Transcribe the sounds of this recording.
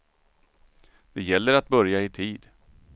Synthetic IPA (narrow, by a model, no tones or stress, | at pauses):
d̪̥ɛjɛlːəɾat̪̚bœɾjaɪt̪ʰiːd̪